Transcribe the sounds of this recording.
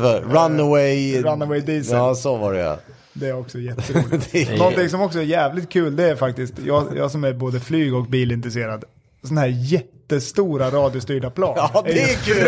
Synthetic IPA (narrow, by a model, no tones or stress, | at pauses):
ɾanəwɛjɾanːəwɛɪd̪iːsɛsɔvaɾɛ̰ja̰ | d̪ɛæɾɔksɔjɛt̪ːəɾɪnnɔnt̪ɪŋs̬ɔmɔksɔæɾjæːvlɪt̪̚kʰʉ̟ːld̪ɛæɾfakt̪ɪskt̪jɑ̰ːjɑ̰ːɡsɔmæɾboːd̪əflyːɡɔk̚biːlɪnt̪ɾɛseːɾad̪ | sɔnahæːɾjɛt̪ːəst̪uːɾaɾɑːd̪ɪʊst̪yːɖapʰlɑːnæɾjɛkʰʉː